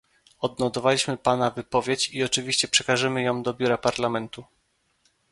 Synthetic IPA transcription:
ɔd̪nɔt̪ɔvalʲiɕmɘpanavɘpɔvʲjet͡ɕiɔt͡ʂɘvʲiɕt͡ɕɛpʂɛkaʐɘmɘjɔ̃w̃d̪ɔbʲuɾapaɾlamɛnt̪u

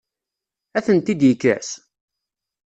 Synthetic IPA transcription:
æθənt̪id̪jəkːæ̰s

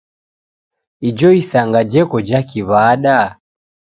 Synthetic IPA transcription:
id͡ʒɔisaŋɡad͡ʒɛkɔd͡ʒakiβaɗa

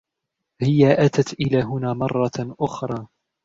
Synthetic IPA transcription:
hɪjaʔat̪at̪ʔɪlaːɦʊnaːmɑrˤːɑʔʊxɾˤɑː

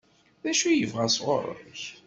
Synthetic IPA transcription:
ðæʃujəvʁæsʁo̰ɾˤə̰ç

